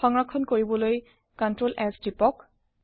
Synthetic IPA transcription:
ɔŋɹakʰɔnkoɹibɔloj | kɔntɹolʔɛsdipɔk̚

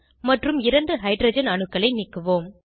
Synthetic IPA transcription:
mɐʈrɯmɪɾɐɳɖɯɦɐɪɖɾɐd͡ʒɐnɐnɯkːɐɭɐɪnɪkːɯʋoːm

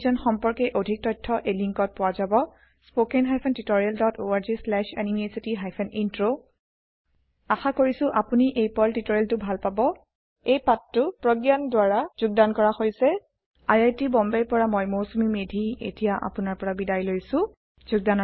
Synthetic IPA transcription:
zɔnxɔmpɔɹkɛʔodʱik̚tɔjtʰːɔʔeliŋkɔt̚pʊwazabɔ | spokɛnɦajpʰɛntitoɹialdɔtoaɹzislɛʃanimesitiɦajpʰɛnʔintɹo | axakoɹisʊ̃ʔapuniʔejpɔltitoɹialtʊbʱalpabɔ | ejpatːʊpɹoɡjandwaɹaz̥ʊɡ̚dankɔɹaxojsɛ | ajajtibɔmbɛɹpɔɹamɔjmowsumimedʱiḛtijaʔa̰pʊnaɹpɔɹabidajlojsʊ̃ | zʊɡ̚danɔ

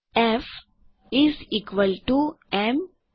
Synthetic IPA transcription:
ef | iziːkʋəlʈu | em

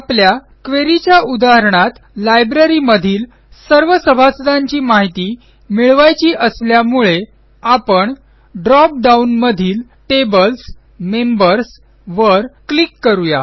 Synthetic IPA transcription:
aplja | kʋeɾit͡ɕjaʔud̪aɦəɾɳat̪ | lajbɾəɾiməd̪ʱiːl | səɾʋəsəbʱasd̪ãɲt͡ɕiːmaɦit̪iː | miɭʋajt͡ɕiːʔəsljamuɭe | apəɳ | ɖɾɔp̚ɖaunməd̪ʱiːl | ʈebəls | membəɾs | ʋəɾklikːəɾuja̰

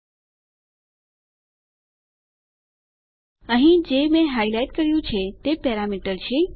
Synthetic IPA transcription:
əɦĩd͡ʒemẽɦajlajʈkəɾjũt͡ʃʰet̪epɛɾamiʈəɾt͡ʃʰe

